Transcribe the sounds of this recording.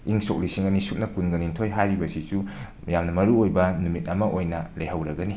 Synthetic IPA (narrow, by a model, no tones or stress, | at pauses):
iŋsok̚lisiŋɐnisup̚nɐkunɡɐnintʰojɦajɾibɐsisumɐjamnɐmɐɾuojbɐnumit̚ɐmɐʔojnɐleɦɐwɾɐɡɐni